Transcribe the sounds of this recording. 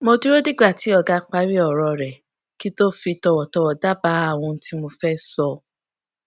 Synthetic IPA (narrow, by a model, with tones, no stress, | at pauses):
mo˧du˦ɾo˦di˦ɡ͡ba˦˨ti˨˦ɔ˧˨ɡa˧k͡pa˧˦ɾi˦ɔ˦˨ɾɔ˧˨ɾɛ˨ | ki˦to˦fi˧tɔ˧wɔ˨tɔ˧wɔ˨da˦ba˨˦a˦˨w̃ɔ̃˧n̩˦tʰi˦mo˧fɛ˦sɔ˧